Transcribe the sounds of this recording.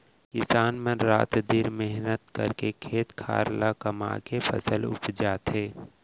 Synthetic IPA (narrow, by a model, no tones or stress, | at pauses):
kɪsaːnmẽɾa̰ːt̪d̪iɾmɪɦnət̪kə̰ɾkekʰeːt̪kʰa̰ːɾlakəma̰kepʰə̰səlʊ̰pʰd͡ʒaːt̪ɦeː